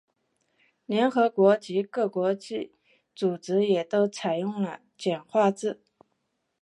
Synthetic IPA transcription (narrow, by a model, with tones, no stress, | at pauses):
ljɛ˧˥nxɤ˧˥kwɔ˧˥t͡ɕi˧˥kɤ˥˩kwɔ˧˥t͡ɕi˥˩ | t͡su˨˩ʈ͡ʂɻ̩˧˥jɛ˨˩t̪o˥ʊt͡sʰa˨˩ɪjʊ˥˩ŋlə˨ | t͡ɕjɛ˨˩nxwa˥˧t͡sɹ̩˥˩